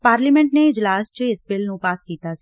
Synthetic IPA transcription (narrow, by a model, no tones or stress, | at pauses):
paːɾlimɛ̃ɳʈneɪd͡ʒlaːst͡ʃəɪsbɪlnũpaːskiːt̪a